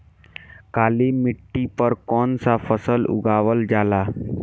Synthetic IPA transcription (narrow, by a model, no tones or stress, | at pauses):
kalimiʈːipəɾkɔnsafəsəlṵɡʱaʋəld͡ʒala